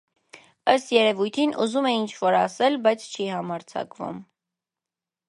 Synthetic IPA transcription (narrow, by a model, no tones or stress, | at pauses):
əst̪jɛɾɛvujt̪ʰinʔṵzumɛint͡ʃʰvɔɾɑsɛlbɑjt͡sʰt͡ʃʰihɑmɑɾt͡sʰɑ̰kvṵm